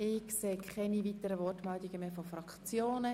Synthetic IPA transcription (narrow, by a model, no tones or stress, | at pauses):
ɪkseːkʰχɛnivitəɾəvɔrtmɛldiɡ̥əmeːfɔfɾɑkt͡sjoːnə